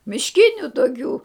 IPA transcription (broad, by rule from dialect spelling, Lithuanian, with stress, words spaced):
mʲɪʃʲˈkʲɪnʲʊ toːˈkʲuː